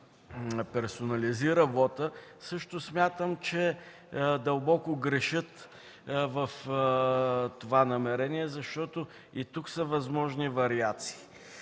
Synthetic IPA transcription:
pɛɾsonɐliziɾəvɔt̪əsɤʃt̪osmʲjat̪əmt͡ʃɛ | d̪ɐlˠbɔkʊɡɾɛʃɤt̪ | vəf | t̪ovanɐmɛɾɛniɛzɐʃt̪ɔt̪o | it̪uksəvɐzmɔʒnivɐɾiat̪si̥ː

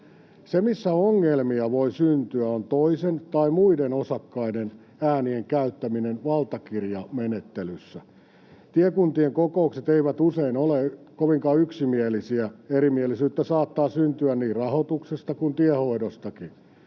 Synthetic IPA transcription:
semisːæoŋːelmiɑʋoisynt̪yæont̪oisent̪ɑimuidenosɑkːɑiden | æːnieŋkæyt̪ːæminenʋɑlt̪ɑkirjɑmenet̪ːelysːæ | t̪iekunt̪ieŋkoko̞ukset̪eiʋæt̪useinole | koʋiŋkɑyksimielisiæeɾimielisyːt̪ːæsɑːt̪ːɑːsynt̪yænniːrrɑhot̪uksest̪ɑkunt̪iehoidost̪ɑki

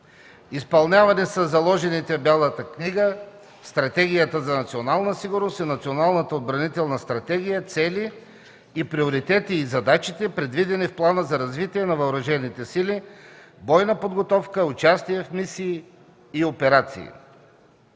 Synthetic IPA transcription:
ispɐlˠnʲavɐnisəzːɐlˠɔʒɛnit̪ɛbʲalˠət̪əkniɡə | st̪ɾɐt̪ɛɡʲijət̪əzɐnɐt̪sionalˠnəsiɡʊɾnost̪inɐt̪sionalˠnət̪əod̪̚bɾɐnit̪ɛlˠnəst̪ɾɐt̪ɛɡʲijət̪sɛliː | pɾioɾit̪ɛt̪iːzɐd̪at͡ʃit̪ɛpɾɛd̪vid̪ɛnifplˠanəzɐɾɐzvit̪iɛnɐvɐoɾɐʒɛnit̪ɛsilibɔjnəpod̪ɡot̪ɔfkəʊt͡ʃast̪iɛfmisiː | opɛɾat̪sḭː

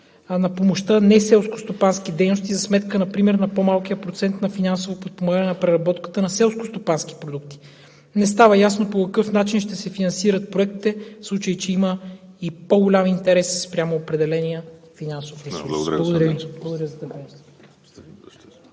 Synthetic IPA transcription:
nɐpomoʃt̪ənɛsɛlˠsko̥st̪opansk̟id̪ɛjnost̪izɐsmɛt̪kənɐpɾimɛɾnɐpomalˠk̟ijəpɾot̪sɛnt̪nɐfinansovopot̪̚pomaɡanɛnɐpɾɛɾɐbɔt̪kə̥t̪ənɐsɛlˠskost̪opansk̟i̥pɾod̪uk̚t̪i̥ | nɛs̬t̪avəjasnopokɐkɤfnat͡ʃinʃt̪ɛsɛfinɐnsiɾət̪̚pɾoɛk̚t̪i̥t̪ɛslˠut͡ʃəjt͡ʃɛimə | ipoɡolʲamint̪ɛɾɛsspɾʲamoːpɾɛd̪ɛlɛnijəfinansofɾɛuɾˠlˠɐɡʊd̪ɾblˠɡʊd̪ɾʲəzɐt̪ɐɡɛ

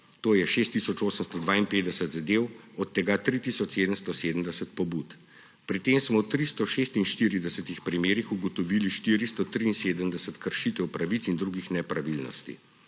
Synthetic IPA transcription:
t̪oːjɛʃeːst̪ːisɔt͡ʃoːsəmst̪ɔd̪ʋaːinpeːd̪d̪ɛsət̪zad̪ewɔt̪ːɛɡat̪ɾit̪isɔt͡ʃseːd̪əmst̪ɔseːd̪əmd̪ɛsət̪̚pɔbuːt̪ | pɾit̪eːmsmɔt̪ɾist̪ɔʃeːst̪inʃt̪iɾid̪ɛsət̪ixpɾimeːɾixuɡɔt̪ɔʋiliʃt̪iːɾist̪ɔt̪ɾiːnseːd̪əmd̪ɛsət̪kəɾʃit̪ɛwpɾaʋit̪sind̪ɾuːɡixnɛpɾaʋilnɔ̰st̪ḭ

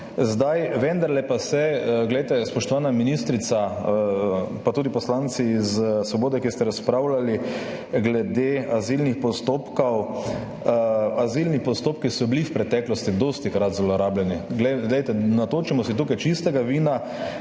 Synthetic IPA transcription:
zd̪ajʋɛnd̪aɾlɛpasɛɡlɛjt̪ɛspɔʃt̪ɔʋaːnaminist̪ɾit̪sa | pat̪uːd̪ipɔslant̪sizsʋɔboːd̪ɛkist̪ɛɾaspɾawlali | ɡlɛd̪eazilnixpɔst̪oːpkɔw | azilnipɔst̪oːpkisɔbilifpɾɛt̪ɛːklɔst̪id̪ost̪ikɾat̪zlɔɾaːblɛniɡlɛɡlɛjt̪ɛnat̪oːt͡ʃimɔsit̪uːkajt͡ʃist̪ɛɡaʋiːna

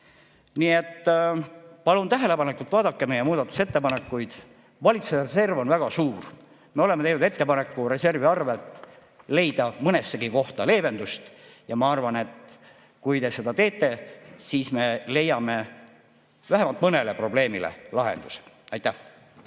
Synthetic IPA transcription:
niːe̞t̪ː | pɑlunt̪æɦele̞pɑnekːult̪vɑːd̪̥ɑkːeme̞jemuːd̪ɑt̪ːˑu̥se̞t̪ːe̞pɑne̞kːujd̪̥ | vɑlʲit̪suerese̞rvo̞nvæɡ̥ɑsuːr | me̞o̞lemeejnud̪et̪ːe̞pɑne̞kːˑuɾe̞se̞rviɑrvet̪ː | le̞jd̪̥ɑmɤne̞sːe̞ɡiko̞ht̪ɑle̞ːbe̞nd̪ust̪jɑmɑɑrvɑne̞t̪ | kujt̪e̞se̞d̪ɑt̪e̞ːt̪ːˑe̞siːsme̞le̞jːɑme̞ | væɦemɑlt̪mɤne̞le̞pro̞ble̞ːmilḛlɑɦe̞̰nd̪̥use̥ | ɑjt̪ːˑæh

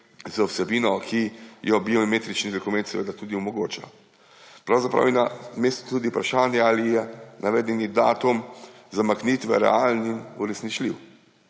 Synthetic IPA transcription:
zawsɛbiːnɔkʰijɔbiɔmet̪ɾit͡ʃnid̪ɔkumɛ̃nt̪sɛʋḛːd̪at̪ud̪iɔmɔɡoːt͡ʃa̰ | pɾawzapɾa̰wjɛnameːst̪u̥t̪uːd̪iupɾaʃaːnjɛalijɛnʔaʋɛːd̪ɛnid̪a̰ːt̪um | zamakniːt̪ʋɛ̰ɾɛ̰alninuɾɛsnit͡ʃliw

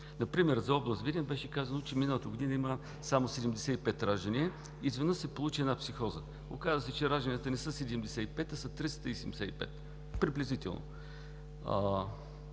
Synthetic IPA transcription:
nɐpɾimɛɾzɐɔblˠəst̪vʲid̪ʲnbɛʃɛkazənot͡ʃɛminəlˠət̪əɡod̪inəimə | samosɛd̪ɛmd̪ɛsɛipɛt̪ɾaʒənʲiə | izvɛd̪nɤssɛpolˠut͡ʃiɛdnapsixɔzə | okazəsɛt͡ʃɛɾaʒd̪ənijət̪ənɛsəsɛd̪ɛmd̪ɛsɛipɛt̪ɐsɐt̪ɾist̪əisɛɛmd̪ɛsɛḭpɛ̰t̪ | pɾiblʲɛzit̪ɛ̰lˠno̰

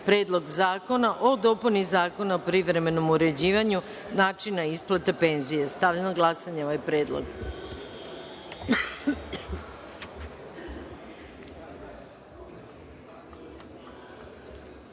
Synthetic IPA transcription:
pɾe̞ːd̪lˠo̞ɡzaːko̞naʔod̪o̞punizaːko̞naopɾiʋɾe̞me̞no̞muɾe̞d͡ʑiːʋaɲu | naːt͡ʃinaisplˠat̪epe̞ːnzijest̪aʋʎenoɡlˠasaɲeoʋajpɾeːd̪lˠo̰ɡ

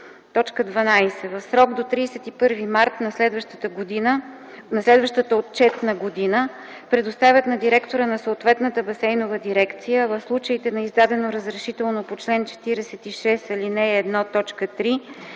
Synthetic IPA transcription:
t̪ɔt͡ʃkəd̪vɐnajsɛvɐfsɾɔɡd̪ot̪ɾiːsɛt̪ipɤɾvimaɾt̪nɐslɛd̪vəʃt̪ət̪əɡod̪inə | nɐslɛd̪vəʃt̪ət̪əot̪̚t͡ʃɛt̪nəɡod̪inə | pɾɛd̪ost̪avʲət̪nɐd̪iɾɛkt̪oɾənɐsoːt̪vɛt̪nət̪əbɐsɛjnovəd̪iɾɛkt̪sijəvɐfslˠut͡ʃəit̪ɛnɐizd̪ad̪ɛnoɾəzɾɛʃit̪ɛlˠnopot͡ʃlɛnt͡ʃɛ̥t̪iɾɛsɛt̪iʃɛsɐlinɛːd̪nɔt̪ɔt͡ʃkət̪ɾi

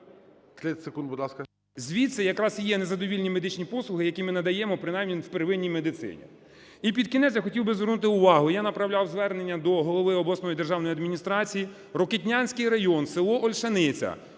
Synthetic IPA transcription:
t̪ʲɛsekund̪bʊd̪lˠɑskɐ | zʲʋʲit̪sɛjɐkɾɑsjɛnezɐd̪ɔʋʲilʲnʲimed̪ɪt͡ʃnʲipɔslˠʊɦɪjɐkʲimɪnɐd̪ɐjɛmɔpɾɪnɑjmnʲiwpeɾʋɪnʲːijmed̪ɪt̪sɪ̰nʲḭ | ip̬ʲid̪̚kʲinɛsʲjaxɔtʲiwbɪzʋernut̪ɪʊʋɑɦʊijanɐpɾɐwlʲawzʋɛrne̞nʲːɐd̪ɔɦɔlˠɔʋɪɔblˠɐsnɔjid̪erʒɑwnɔjiɐd̪mʲinʲist̪ɾɑt͡sʲiji | ɾɔketʲnʲanʲsʲkɪjɾɐjɔnsɪlˠɔʔɔlʲʃɐnɪt͡sʲɐ̰

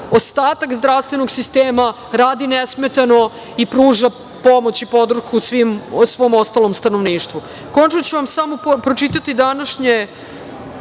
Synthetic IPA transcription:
ost̪aːt̪akzd̪ɾaʋst̪ʋe̞no̞ɡsist̪eːma | ɾaːd̪inesmet̪ano̞ | ipɾuːʒa | po̞mo̞t͡ɕipo̞d̪ɾ̩ʃkusʋimsʋo̞mo̞st̪alomst̪anoʋniːʃt̪ʋu | kont͡ʃnot͡ɕuʋamsamopɾot͡ʃit̪at̪id̪anaʃɲe

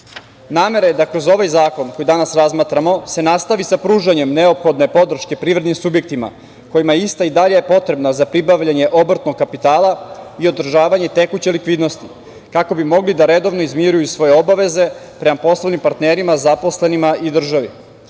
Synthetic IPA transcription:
naːme̞ɾajd̪akɾo̞zo̞ʋajzaːko̞nko̞jid̪anasɾazmaːt̪ɾamo̞se̞nast̪aʋisapɾuːʒaɲe̞mneopxo̞d̪ne̞po̞d̪r̩ʃke̞pɾiːvɾed̪nimsubjek̚t̪ima̰ | ko̞jimaist̪aid̪aʎejepo̞t̪ɾe̞bnazapɾibaʋʎaɲe̞ʔo̞br̩t̪no̞ɡ̚kapit̪aːlˠaio̞d̪r̩ʒaːʋaɲe̞t̪e̞kut͡ɕelikʋiːd̪no̞st̪i | kako̞bimo̞ɡlid̪aɾe̞d̪o̞ʋnoizmjiɾujusʋo̞jeo̞baʋe̞ze̞pɾe̞mapo̞slˠanimpaɾt̪neːɾimazapo̞sle̞nimaid̪r̩ʒaʋi

